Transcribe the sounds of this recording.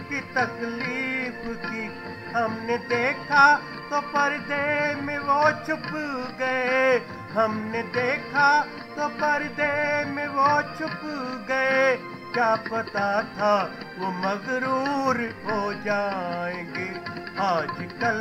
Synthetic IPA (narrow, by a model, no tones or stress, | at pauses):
kit̪ɐkliːfki | ɦɐmned̪eːkʰa | t̪opɐɾd̪emẽʋot͡ʃʰʊpɡɐe | ɦɐmned̪eːkʰa | t̪opɐɾd̪emẽʋot͡ʃʰʊpɡɐe | kjaːpɐt̪at̪ʰaʋomɐzɾuːɾɦod͡ʒaːẽːɡeːaːd͡ʒkɐl